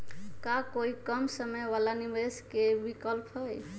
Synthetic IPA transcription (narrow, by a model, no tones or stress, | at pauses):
kakoikəmsəməjwalanimeskebikəlpɦəj